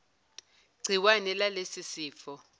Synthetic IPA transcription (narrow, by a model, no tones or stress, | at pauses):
ɡ͡ǀʱiwanɛlalesisiːfɔ